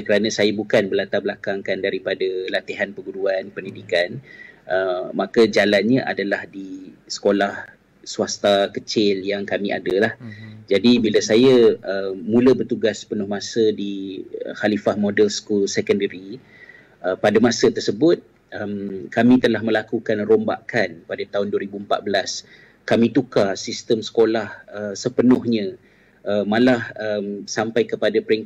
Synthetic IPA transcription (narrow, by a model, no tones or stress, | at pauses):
kəɾanasajabukanbəlat̪abəlakaŋkandaɾipadalat̪iɦanpəɡuduanpəndidikanʔəːãkad͡ʒalan̚ɲãʔadalahdisə̥kolah | swast̪akət͡ʃɪljaŋkamĩʔa̰dəlahd͡ʒadibilasajaəːũləbərt̪uɡaspənʊhmãsədiəhalifahmodɛlsəkulsɛkəndəɾi | ʔəpadamãsət̪ərsəbʊt̪̚ | ʔəmkamĩt̪əlahmə̃lakukanromba̰ʔkanpadat̪aʊnduaɾibuəmpa̰t̪̚bəlas | kamĩt̪ukasist̪əmsə̥kolahəsəpənʊhɲə̃ | əmalahəmsampajkəpadapəɾiŋk